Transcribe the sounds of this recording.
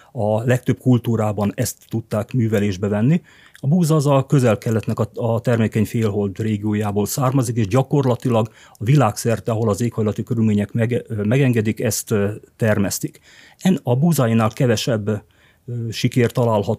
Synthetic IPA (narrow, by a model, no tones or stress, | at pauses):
ɒlɛk̚t̪ø̞b̚kult̪uːɾaːbɒnɛst̪ːut̪ːaːkmyːvɛleːʒbɛvɛnːi | ɒbuːzzɒkø̞zɛlkɛlːɛt̪nɛkɒɒt̪ɛrmeːkɛɲfeːlɦo̞ld̪reːɡijoːjaːboːlsaːrmɒzikeːʒɟɒko̞rlɒt̪ilɒɡ | ɒvilaːksɛrt̪ɛɒɦo̞lɒzeːkhɒjlɒt̪ikøɾylmeːɲɛkmɛɡmɛɡɛŋɡɛd̪ikɛst̪ːɛrmɛst̪ik | ɛnɒbuːzajinaːlkɛvɛʃɛbː | ʃikɛːrt̪ɒlaːlhɒt̪